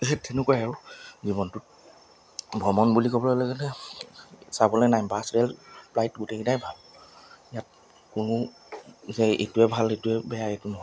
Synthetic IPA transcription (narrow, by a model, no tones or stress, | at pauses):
ɛtʰenʊkɔjaɹuzibɔntʊt̚ | bʱɔmɔnbulikɔbɔlɔlɔɡɛtɛ | sabɔlɔjnajmbasɹɛlplajtɡutekitajbʱalijat̚ | kʊnʊ | zɛḛtuɛbʱaletuɛbɛjaetʊnɔɦɔ